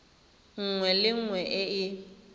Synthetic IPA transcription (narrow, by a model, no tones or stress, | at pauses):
ŋ̩ŋwɛlɪŋ̩ŋwɛʔɪɪ